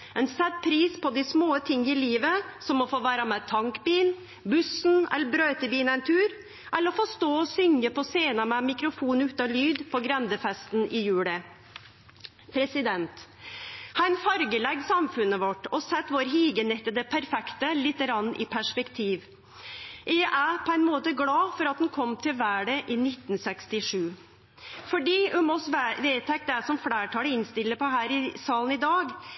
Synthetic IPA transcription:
ɛnsɛt̪̚pʰɾiːspʰɔd̪ɪsmoːət̪ʰɪŋːəɪliːʋəsɔmːɔfoːʋæːɾɑmæːt̪ʰɑŋkbiːn | bʉsn̩ɛ̰lːəɾbɾøːt̪əbiːnɛɪnt̪ʰʉːɾ | ʔɛlːəɾɔfɔst̪oːɔsʏŋɡəpɔseːnəmɛmɪkɾʊfuːnʉːt̪ɑlyːd̪pʰɔɡɾɛnd̪əfɛst̪n̩ɪjʉːɭə | pʰɾɛsɪd̪ɛnt̪ | hæɪnfɑɾɡəlɛɡsɑmfʉnəʋɔʈːɔsɛt̪ːʋoːɾɦiːɡənɪt̪ːəd̪əpʰæɾfɛkt̪əlɪt̪ːəɾɑnːʔɪpʰæʂpɛkt̪ʰiːʋ | ʔɛʔæpʰɔɛnmoːt̪əɡlɑːfɔɾɑt̪hʉnkʰɔmt̪ʰɪlʋæːɖəʔiːnɪt̪n̩sɛkst̪ɪʂʉː | fɔɖiːʉmɔsʋeːt̪ʰɛk̚t̪əæsɔmflæːʈʰɑːləɪnst̪ɪlːəpʰɔɦæːɾɪsɑːln̩ɪd̪ɑːɡ

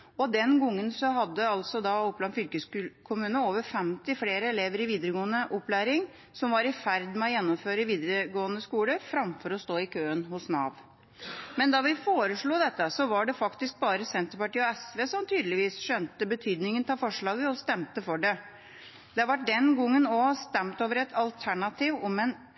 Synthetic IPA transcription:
ɔd̪ɛnɡɔŋːənsɔɦɑd̪ːəɑlt̪sɔd̪ɑɔpːlɑnfʏlkəsʉkʰʊmʉːnəoːʋəɾfɛmt̪ɪfleːɾəɛleːʋəɾɪʋiːd̪əɾəɡoːənəʔɔplæːɾɪŋ | sɔmʋɑɾɪfæɾd̪mɛɔjɛnːɔmføːɾəʋiːd̪əɾəɡoːənəskuːləfɾɑmfɔɾɔst̪oːɪkʰøːənhʊsnɑːʋ | mɛnd̪ɑːʋɪfoːɾəʂɭuːd̪ɛt̪ːəsɔʋɑɖɛfɑkt̪ɪsk̚bɑːɾəsɛnt̪əɾpɑʈiːɔɛsʋeːsɔmt̪ʰyːd̪lɪʋiːsʂœnt̪əbət̪ʰyːd̪nɪŋənt̪ʰɑːfɔʂɭɑːɡəɔst̪ɛmt̪əfɔɖɛ | d̪ɛɑʋæʈ̚ɖ̪ɛnɡɔŋːənɔst̪ɛmt̪oːʋəɾɛt̪ʰɑlt̪ʰæɳɑt̪ʰiːʋɔmɛn

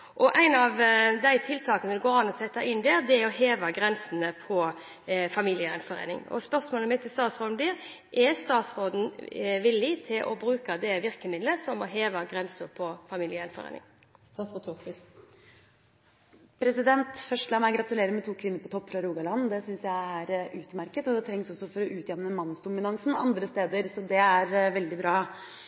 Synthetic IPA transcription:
ʔɔʔæɪnɑʋd̪æɪt̪ʰɪlt̪ʰɑːkənəd̪ɛɡoːɾɑnːɔsɛt̪ːəʔɪnːd̪eːɾd̪ɛæɾɔɦeːʋɑɡɾɛnsn̩əpʰɔ | fɑmiːlɪəɛnfɔɾḛːnɪ̰ŋɔ̰spœʁsmoːləmɪt̪ːɪst̪ɑːt̪sʁoːd̪n̩bliːɾ | ʔɛst̪ɑːt̪sɾoːd̪n̩ʋɪlːɪt̪ʰɪlʔɔ̰bɾʉːkɑd̪ɛʋɪʁkəmɪd̪ləsɔmɔɦeːʋɑɡɾɛnsəpʰɔfɑmɪːljəɛnfɔɾḛnɪ̰ŋ | pʰɾɛsɪd̪ɛnt̪fœʂəlɑmæɪɡɾɑt̪ʉleːɾəɾmɛt̪ʰuːkʰʋɪnːəɾpɔt̪ʰɔpːfɾɑɾuːɡɑlɑnːd̪ɛsʏnsjæɪæɾʔʉːt̪əmæɾkət̪ɔd̪ɛt̪ʰɾɛŋsɔsːɔfɔɾɔʔʉːt̪jɛmnəmɑnːsd̪ʊmɪnɑŋsnɑ̰nd̪ɾəst̪eːd̪əɾsɔd̪ɛæɾʋɛld̪ɪbɾɑː

